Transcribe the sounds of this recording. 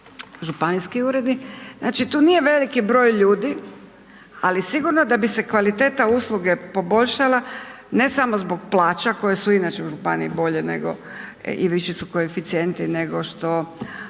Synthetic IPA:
ʒupaniskiuːɾe̞d̪nikzna̰ːt͡ʃit̪uːnije̞ʋe̞likibɾo̞ːjʎuːd̪i | alisiɡuɾnod̪abise̞kʋalit̪e̞ːt̪auslˠuɡe̞po̞bo̞ʎʃala | ne̞samozbo̞ɡ̚plˠaːt͡ʃako̞je̞suinat͡ʃe̞uʒupa̰nḭibo̞ʎene̞̰ɡo̞̰ | ḭʋiʃisuko̞efit̪sie̞nt̪ine̞ɡo̞ʃt̪o̞

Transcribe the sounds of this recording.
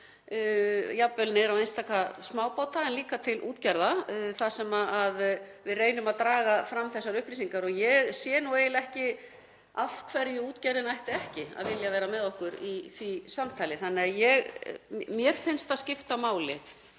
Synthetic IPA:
japːʏlnɪɾawejnst̪aːkasmaːwpaːwt̪aɛnliːkat̪ʰɪlʔṵːt̪caɾðaθasɛmaaðvɪðreːjnʏmaðt̪ɾaːɣafɾamːθɛsːaɾʏhpliːsiŋkaɾɔɣjɛɣsjɛːnueːjlɛhcɪ | afkʰvɛɾjʏuːt̪caɾðɪnajht̪ɪɛhcɪa̰ðvɪljavɛːɾamɛðɔhkʏɾiθvisamt̪ʰajlɪθanːɪajɛɣmjɛɾ̥fɪnst̪aðscɪft̪amaːwlɪ

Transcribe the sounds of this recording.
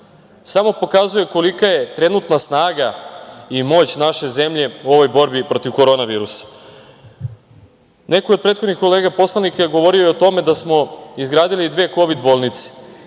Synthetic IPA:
samo̞po̞kazuje̞ko̞likaje̞t̪ɾe̞nut̪nasnaːɡaimo̞ːt͡ɕnaʃe̞ze̞mʎe̞uo̞ʋo̞jbo̞ɾbipɾo̞t̪iʋko̞ɾo̞naʋiːɾusḁ | ne̞kojod̪̚pɾeːt̪xod̪nixko̞le̞ːɡapo̞slˠanikaɡo̞ʋo̞ɾiojeot̪o̞me̞d̪asmo̞izɡɾaːd̪ilid̪ʋe̞ːko̞ʋid̪bo̞lˠnit̪se̥

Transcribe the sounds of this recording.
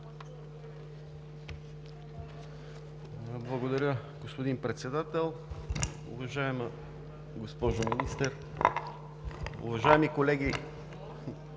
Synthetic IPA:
blˠɐɡod̪ɐɾʲəɡospod̪inpɾɛt̪sɛd̪at̪ɛlˠ | ʊ̰vɐʒaɛmə | ɡospɔʒominist̪ɛɾ | ʊ̰vɐʒaɛmikolɛɡʲi

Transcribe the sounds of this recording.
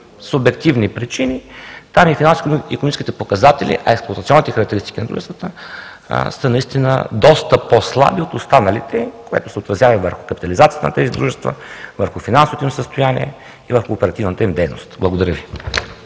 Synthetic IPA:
sʊbɛk̚t̪ivnipɾit͡ʃinit̪amifinansikonomit͡ʃɛskit̪ɛpokɐzat̪ɛlʲḭʔɐ̰ɛksplˠoɐt̪t̪siɔnːit̪ɛxɐɾɐk̚t̪ɛɾist̪i̥kʲinɐd̪ɾṵʒɛst̪vət̪ə̰ | sənɐist̪inə̰d̪ɔst̪əposlˠa̰biot̪ost̪anəlit̪ɛkoɛ̰t̪ʊ̥sɛot̪ɾɐzjavɐvəɾxʊ̥kɐpi̥t̪ɐlizat̪ijə̥t̪ənɐ̰t̪ɛzid̪ɾuʒɛst̪və̰vəɾxufinansovot̪ʊimsəst̪ʊjanḭɛ̰ | ivəɾxuːpɛɾɐt̪ivnət̪əimd̪ɛjno̰st̪blˠəɡʊd̪ɐɾʲjəvi

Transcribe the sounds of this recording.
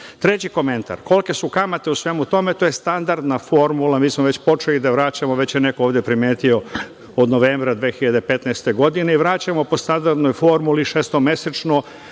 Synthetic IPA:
t̪ɾet͡ɕiko̞me̞nt̪a̰ɾko̞lke̞sukamat̪e̞usʋe̞ːmut̪o̞me̞t̪oːje̞st̪and̪aɾd̪nafo̞ɾmulˠamiːsmoʋe̞t͡ɕpo̞t͡ʃelid̪aʋɾaːt͡ɕamoʋe̞t͡ɕjenekooʋd̪je̞pɾime̞ːt̪io̞ | od̪noʋeːmbɾad̪ʋeːxiʎad̪epe̞t̪najst̪e̞ɡo̞d̪ine̞iʋɾat͡ɕamo̞po̞st̪and̪aɾd̪nojfo̞ɾmuliʃeːst̪ome̞set͡ʃno

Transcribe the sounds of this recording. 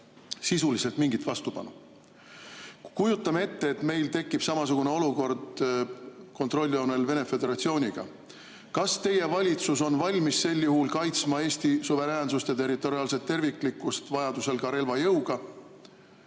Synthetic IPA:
sisulise̞lt̪miŋɡit̪vɑst̪upɑ̰nṵ | kujut̪ːˑɑmee̞t̪ːe̞ːt̪me̞jlt̪e̞kːˑib̥sɑmɑs̬uɡ̥une̞o̞luko̞rd̪̥ | ko̞nt̪ˑro̞lʲːio̞ne̞lve̞ne̞fe̞d̪e̞ɾɑt̪sio̞ːnʲiɡ̥ɑ̰ | kɑst̪e̞je̞vɑlʲit̪sus̬o̞nvɑlʲmisːe̞lːjuɦulkɑjt̪smɑe̞ːsʲt̪isuve̞ɾæːnsust̪jɑt̪e̞rit̪ːˑo̞ɾiɑːlse̞t̪ːe̞rvikˑlikːˑust̪vɑjɑd̪̥use̞lkɑɾe̞lvɑjɤwɡ̥ɑ

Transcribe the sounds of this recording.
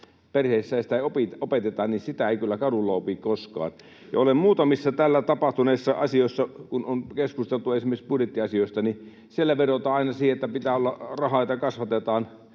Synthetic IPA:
perheˑisːæjɑsit̪æˑiopitopet̪et̪ɑːnnisit̪æeˑikylːækɑdulːɑopikkoskɑ̰ːn | jɑ̰olemmuːt̪ɑmisːɑt̪ælːæt̪ɑpɑht̪uneˑisːɑɑsioˑsːɑkunonkeskust̪elt̪uesimerkspudjet̪ːiɑsioˑist̪ɑni | sielːæʋerot̪ɑːɑˑinɑsiːheet̪ːæpit̪æːolːɑrɑhɑˑit̪ɑkɑsʋɑt̪et̪ɑːn

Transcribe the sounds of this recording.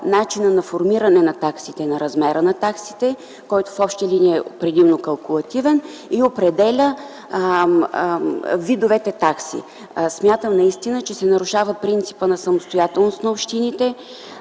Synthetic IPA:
nat͡ʃinənɐfoɾmiɾɐnɛnɐt̪aksit̪ɛnɐɾɐzmɛɾənɐt̪aksi̥t̪ɛ | kɔjt̪o̥fɔpʃt̪əliniɛɛopɾɛd̪imnokɐlˠkʊlˠɐt̪ivɛniopɾɛd̪ɛlʲə | vid̪ovɛt̪ɛt̪aksḭ | smʲjat̪əmnɐist̪inət͡ʃɛsɛnɐɾʊʃavəpɾint̪si̥pənɐsɐmʊst̪ojat̪ɛlˠnost̪nɐopʃt̪init̪ɛ

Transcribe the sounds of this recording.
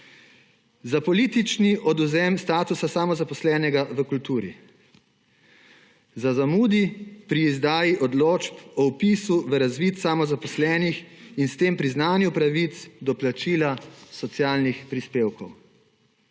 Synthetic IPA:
zapɔlit̪it͡ʃniʔɔd̪uzɛmst̪aːt̪usasamɔzapɔslɛːnɛɡaʋəkult̪uːɾḭ | zazamuːd̪ipɾiːzd̪aːjiʔɔd̪loːt͡ʃpɔwpisuʋəɾazʋit̪samɔzapɔslɛːnixinst̪eːmpɾiznaːnjupɾaʋit̪sd̪ɔplat͡ʃiːlasɔt̪sijaːlnixpɾispeːwkɔw

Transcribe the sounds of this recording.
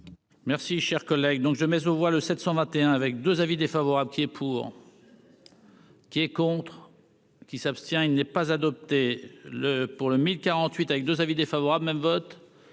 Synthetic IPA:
mɛʁsiʃɛʁkɔlɛɡd̪ɔ̃kʒəmɛzovwaləsɛt̪sɑ̃vɛ̃t̪eɛ̃avɛk̚d̪øzavid̪efavɔʁabləkʲiɛpʰuːʁ | kʲiɛkɔ̃t̪χ | kʲisapst̪jɛ̃ilnɛpazad̪ɔp̚t̪eləpuʁləmilkaʁɑ̃t̪ɥit̪avɛk̚d̪øzavid̪efavɔʁablmɛmvɔt̪

